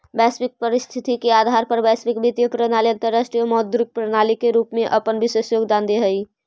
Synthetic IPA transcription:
bɛːspɪk̚pəɾɪst̪ʰɪt̪ikeaːd̪ʱaːɾpəɾbɛːspɪkbɪt̪jəpɾənaːliə̃nt̪əɾːəsʈɾijəmɔːt̪̚d̪uɾɪk̚pɾənaːlikeɾuːpmẽʔɐpənbʱɪsəsjoːɡd̪ãːnd̪eɦɐi

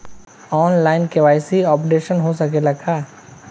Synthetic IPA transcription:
ɔːnlaːɪnkeʋaːjsiɔːpɖeːʃənɦosɐkelɐkʰaː

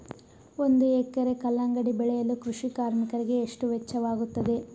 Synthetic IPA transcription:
o̞nd̪uekɐɾe̞kɐlːɐŋɡɐɽibɛɭɛjɐlukɾuʂikaːɾmikɐɾiɡe̞ːʂʈuʋet͡ʃːɐʋaːɡut̪ːɐd̪e̞

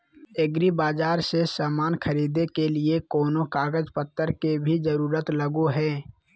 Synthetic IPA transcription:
eɡɾibaːd͡ʒaːɾsesaːmaːnkʰəɾiːd̪ekeliekɔːnokaːɡəd͡ʒpət̪ːəɾkebʱid͡ʒəɾuːɾət̪ləɡuɦɛː

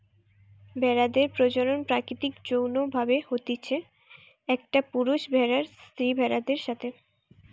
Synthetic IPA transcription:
bʱɛɾad̪eɾpɾod͡ʑoɾonpɾakɾit̪ikd͡ʑownobʱabehot̪it͡ɕʰe | ɛk̚ʈapuɾuʃbʱɛɾaɾst̪ɾibʱɛɾad̪eɾʃat̪ʰe

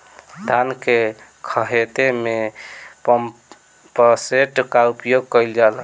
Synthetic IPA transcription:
d̪ʱanke | kʰəɦet̪eme | pəseʈkaupjoɡ̚kəjld͡ʒalə

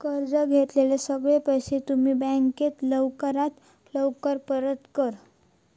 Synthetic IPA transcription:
kəɾd͡zəɡʱet̪lelesəɡɭepəjset̪um̤iːbæ̃ŋket̪ləwkəɾat̪ | ləwkəɾpəɾət̪kəɾ

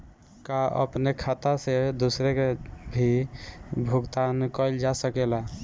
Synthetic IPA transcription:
kaʔə̰pnekʰat̪ased̪usɾekebʱi | bʱuɡt̪ankəɪld͡ʒasəkela

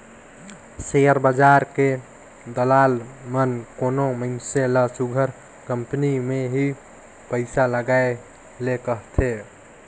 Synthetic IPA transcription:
sejəɾbad͡ʒaɾke | d̪əlalmənkonoməɪnselasuɡʱəɾ | kəmpnimeɦi | pəɪsaləɡae | lekəɦt̪ʰe

